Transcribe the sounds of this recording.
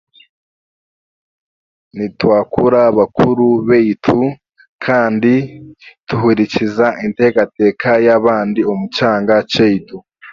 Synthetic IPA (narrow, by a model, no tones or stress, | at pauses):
nitwaːkuɾaβakuɾuβeitʰu | kʰaːndituɦuɾicizaʔinte̞ɡate̞ːkʰajaβaːndiomut͡ʃaːŋɡat͡ʃeitu